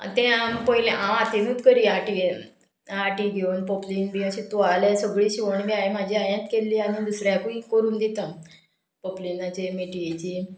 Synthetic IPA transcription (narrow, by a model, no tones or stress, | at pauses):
t̪ɛ̃ampəɦilẽʔaat̪enuːt̪kəɾiːaʈi | aʈiːɡʱeuːnpoplinbiaɕit̪ualesəɡɭiːɕiʋəɳbiajem̤ad͡ʑʱiːajãt̪kelːiːañid̪usɾjakũĩkəɾuːnd̪it̪a | poplinat͡ɕemeʈiet͡ɕiː